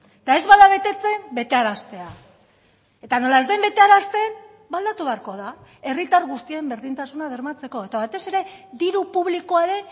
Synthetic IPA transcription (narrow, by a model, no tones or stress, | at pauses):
et̪ae̞zβaðaβ̞e̞t̪e̞t͡se̞mbe̞t̪e̞aɾast̪e̞a | e̞t̪ano̞lae̞zd̪embe̞t̪e̞aɾast̪e̞m | bald̪at̪uβe̞aɾko̞ðae̞rit̪aɾɣust̪iembe̞ɾðint̪asunaðe̞ɾmat͡se̞ko̞e̞t̪aβ̞ajt̪e̞se̞ɾe̞d̪iɾupuβ̞liko̞aɾe̞